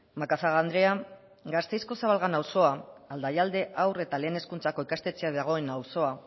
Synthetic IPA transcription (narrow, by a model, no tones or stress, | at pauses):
makasaɣand̪ɾe̞a | ɡast̪e̞jsko̞saβalɣanawso̞aald̪ajald̪e̞ʔawre̞t̪ale̞ːne̞skunt͡sako̞ikast̪e̞t͡seaðaɣ̞o̞e̞nawso̞a